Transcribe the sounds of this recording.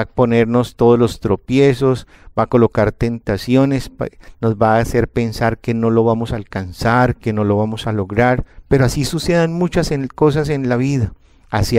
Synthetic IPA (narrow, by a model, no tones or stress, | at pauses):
po̞ne̞ɾno̞st̪o̞ðolo̞st̪ɾo̞pje̞so̞s | b̥ako̞lo̞kaɾt̪e̞nt̪asjo̞ne̞spno̞zbaːse̞ɾpe̞nsaɾke̞no̞lo̞βamo̞saːlkansaɾke̞no̞lo̞βamo̞salo̞ɣɾaɾpe̞ɾoasisuse̞ðanmut͡ʃaseko̞s̬as̬e̞nlaβiðaː | s